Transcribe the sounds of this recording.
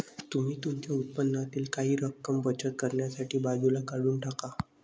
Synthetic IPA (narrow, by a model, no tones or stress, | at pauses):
t̪um̤iːt̪umt͡ɕjaut̪̚pənːat̪iːlkaɦiːɾəkːəmbət͡ɕət̪̚kəɾɳjasaʈʰiːbad͡zulakaɽuːnʈʰaka